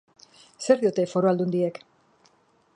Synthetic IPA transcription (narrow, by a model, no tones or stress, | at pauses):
se̞ɾðiot̪e̞fo̞ɾo̞ald̪und̪ie̞k